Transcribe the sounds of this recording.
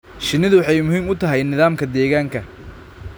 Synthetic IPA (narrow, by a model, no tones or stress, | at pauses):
ʃɪnːɪðʊwɑħɑjmʊhɦiːmʊt̪ʰɐɦɛjnɪðaːmkʰɐd̪ɛːɣaːŋkʰɐ